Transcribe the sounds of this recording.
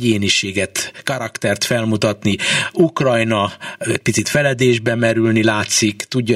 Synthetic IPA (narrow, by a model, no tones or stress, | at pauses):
eːniʃeːɡɛt̪kɒɾɒkt̪ɛrt̪fɛlmut̪ɒt̪niukrɒjnɒɛc̚pit̪sit̪fɛlɛd̪eːʒbɛmɛɾylnilaːt̪sikt̪uɟː